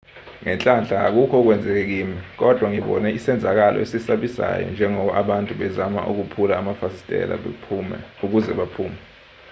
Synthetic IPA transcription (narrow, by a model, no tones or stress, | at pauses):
ŋɛnt͡ɬʼanɬʼaːk̬ukʰɔk̬wɛnd͡zʱɛk̬ɛk̬iːmik̬ɔd̥ʱwaŋiɓɔ̰nɛisɛnd͡zʱak̬alʔɔ̰esisaɓisa̰jɔ̰nd͡ʒʱɛŋɔɓaʔaɓantʼuɓɛzama̰ʔṵk̬upʰulaːmafasi̥stʼɛ̰la̰ɓʰumɛ̰uk̬uzɛɓapʰuːmɛ